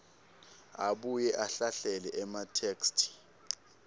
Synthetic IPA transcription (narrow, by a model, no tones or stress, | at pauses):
aɓujɛʔaɬaɬɛlɛʔɛmatʰeːkstʰi̥